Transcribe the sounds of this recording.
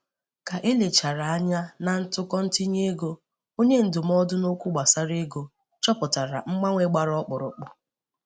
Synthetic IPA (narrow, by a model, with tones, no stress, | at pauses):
ka˨ʔe˦le˨t͡ʃa˨ɾa˨a˦ɲa˦na˨n̩˦tʊ˦kɔ˦n̩˦ti˦ɲe˦ɡo˦ | o˦ɲe˦n̩˨dʊ˨m̩˦ɔ˦dʊ˦no˦kʷʊ˦ɡ͡ba˨sa˦ɾe˦ɡo˨ | t͡ʃɔ˦pʊ˨ta˨ɾa̰˨ŋ͡m̩˦ɡ͡ba˦ŋʷe˦ɡ͡ba˨ɾɔ˦k͡pʊ˨ɾʊ̰˨k͡pʊ˨